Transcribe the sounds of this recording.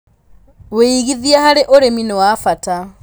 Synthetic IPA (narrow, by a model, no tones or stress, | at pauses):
weiɣiðjahaɾeʔoɾeminewafata